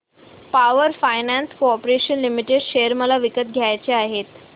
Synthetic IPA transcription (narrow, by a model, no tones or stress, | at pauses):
paʋəɾfajnænskoɔpɾeɕənlimiʈeɖɕejəɾməlaʋikət̪ɡʱjajt͡ɕeaɦet̪